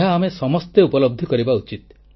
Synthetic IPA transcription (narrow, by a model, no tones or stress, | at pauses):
ɦaːmesɔmɔst̪eupɔlɔb̚d̪ʱikɔɾibaut͡ʃit̪̚